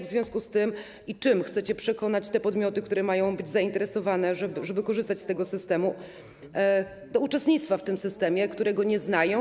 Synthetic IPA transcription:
vzvʲjɔ̃w̃skust̪ɘm | it͡ʂɘmxt̪sɛt͡ɕɛpʂɛkɔnat͡ɕt̪ɛpɔd̪mʲjɔt̪ɘkt̪uɾɛmajɔ̃w̃bɘd͡ʑzaint̪ɛɾɛsɔvanɛʐɛbʐɛbɘkɔʐɘst̪at͡ɕst̪ɛɡɔsɘst̪ɛmu | d̪ɔut͡ʂɛst̪ɲit̪st̪faft̪ɘmsɘst̪ɛmʲjɛkt̪uɾɛɡɔɲɛznajɔ̃

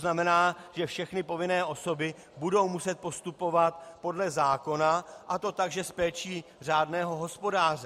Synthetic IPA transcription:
znamɛnaːʒ̥ɛfʃɛxnɪpo̞vɪnɛːʔo̞so̞bɪ | budo̞wmusɛt̪̚po̞st̪upo̞vat̪po̞dlɛzaːko̞naʔat̪o̞t̪aɡʒɛspɛːt͡ʃiːr̝aːdnɛːɦo̞ɦo̞spo̞daːrɛ

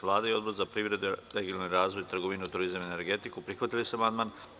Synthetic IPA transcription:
ʋlˠaːd̪aio̞d̪boɾzapɾiːʋɾe̞d̪eɾeɡilnoɾaːzʋo̞jt̪ɾ̩ɡoʋinut̪uɾizamene̞ɾɡe̞t̪ikupɾixʋat̪ilisamand̪man

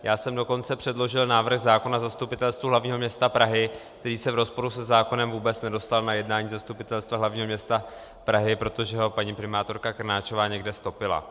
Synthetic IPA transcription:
jaːsɛmdo̞ko̞nt͡sɛpr̝̥ɛdlo̞ʒɪlnaːvr̩xzaːko̞nazast̪upɪt̪ɛlst̪vuɦlavɲiːɦo̞mɲɛst̪apɾaɦɪkt̪ɛɾiːsɛvɾo̞spo̞ɾusɛzaːko̞nɛmvuːbɛt͡snɛdo̞st̪alnajɛdnaːɲiːzast̪upɪt̪ɛlst̪vaɦlavɲiːɦomɲɛst̪a | pɾaɦɪpɾo̞t̪o̞ʒɛɦo̞paɲiːpɾɪmaːt̪o̞ɾkakrnaːt͡ʃo̞vaːɲɛɡdɛst̪o̞pɪla̰

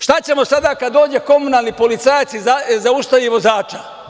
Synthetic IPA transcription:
ʃt̪at͡ɕe̞mo̞sad̪aːkad̪d̪o̞ːd͡ʑe̞ko̞munaːlˠnipo̞lit̪sajat̪sizazaust̪aʋiʋo̞zaːt͡ʃa

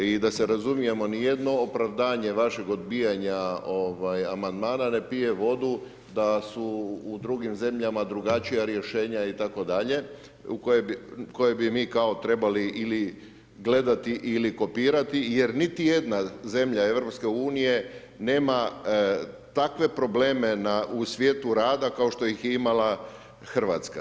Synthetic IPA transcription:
id̪aseɾazumije̞mo̞nije̞d̪no̞ːpɾaʋd̪aːɲe̞ʋaʃe̞ɡo̞d̪bijaɲao̞ʋajamand̪maːnane̞pije̞ʋo̞d̪u | d̪asuːd̪ɾuɡimze̞mʎamad̪ɾuɡat͡ʃijaɾje̞ʃe̞ːɲait̪ako̞d̪aʎe̞ | ukojebiko̞jebimiːkao̞t̪ɾe̞baliʔili | ɡle̞d̪at̪iʔiliko̞piːɾat̪ije̞ɾnit̪ije̞d̪naze̞mʎae̞ʋɾo̞pske̞uːnije̞ | ne̞ːma | t̪akʋe̞pɾo̞ble̞ːme̞nausʋje̞ːt̪uɾaːd̪akao̞ʃt̪o̞ixjeimala | xr̩ʋa̰t̪ska

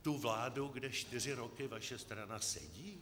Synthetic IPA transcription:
t̪uvlaːduɡdɛʃt̪ɪr̝ɪɾo̞kɪvaʃɛst̪ɾanasɛ̰ɟiː

